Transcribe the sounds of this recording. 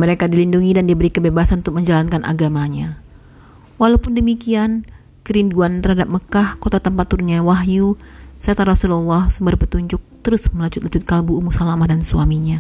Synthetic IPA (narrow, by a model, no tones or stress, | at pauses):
məɾekadilinduŋidandibəɾikəbebasanunt̪ʊk̚məɲd͡ʒalankanʔa̰ɡamaɲa | walawpʊndəmikian | kəɾinduant̪əɾhadap̚məkahkot̪at̪əmpat̪ːuɾunɲawaɦjusaat̪aɾɔsululːahsəmbəɾpət̪uɲd͡ʒʊk̚t̪əɾʊsməlaɲd͡ʒʊt̪̚lat͡ʃʊt̪̚kalbuːmusalamahdansuamiɲa